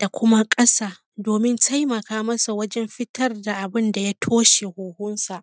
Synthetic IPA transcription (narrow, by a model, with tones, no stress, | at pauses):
d̥a˨kʷʊ˦ma˦kʼɐ˦saː˨ | doː˨mɪ˦ntʰa˦jmɐ˨kaː˦mɐ˦sa˨wɐ˦d͡ʒɛ˦mɸɪ˦tɐ˦rda˨ʔa˨bɪ˦nda˨ja˦tʰoː˦ʃe˨hoː˨hʊ˦nsa˨ʔ